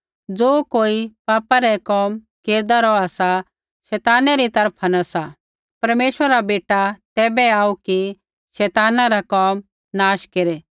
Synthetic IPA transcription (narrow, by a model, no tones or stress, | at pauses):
d͡zoːkoːipaːpaɾɛkɔːm | keːɾd̪aɾɔaːsa | ʃɛːt̪aːnɛɾit̪ɐɾpʰanasa | pɐɾmeːʃəɾɾabeːʈat̪ɛːbɛaːuki | ʃɛːt̪aːnãɾakɔːm | naːʃkeɾɛ